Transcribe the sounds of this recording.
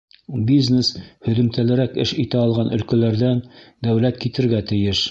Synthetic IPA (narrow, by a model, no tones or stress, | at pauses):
bʲizneshɵ̆ðɘ̆mt̪ælɘ̆ɾækɘʃit̪æɑlˠʁɑnɵ̆lkæ̆læɾðænd̪æwlæt̪kit̪ɘ̆ɾɡæt̪ɘ̆jɘʃ